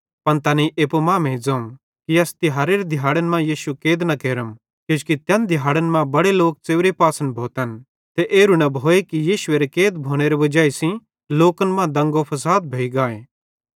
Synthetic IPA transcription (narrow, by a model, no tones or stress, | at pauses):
pɐnt̪ɐniʔeːpomãːmẽid͡zɐ̃ːũ | kiɐst̪ɪɦaːɾeɾed̪ʱɪjaːɽənmãjiːʃukeːd̪nɐkeːɾəm | ked͡ʒkit̪jɐnd̪ʱɪjɦaːɽənmãbɐɽeloːk̚t͡seːʋɾepaːsə̃nbʱoːt̪ən | t̪eʔeːɾunɐbʱoːekijiːʃʊeɾekeːd̪bʱoːɽ̃eɾeʋɐd͡ʒaːisĩ | loːkənmãd̪ɐ̃ŋɡopʰɐsaːd̪̚bʱeːiɡaːeː